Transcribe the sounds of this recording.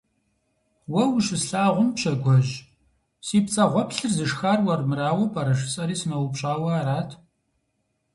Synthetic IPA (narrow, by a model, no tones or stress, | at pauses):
wɐwʃɨɬaːʁʷʊmpɕɐɡʷɔʑ | siːpt͡sʼɐʁʷɔpɬɨrzɨʂxaːrwɐrmɨraːwɐpʰʼɐɾɐʂ̬ɨ̥t͡sʼɐɾiːsɨnɐwʊpɕʼaːwɐaːɾaːtʰ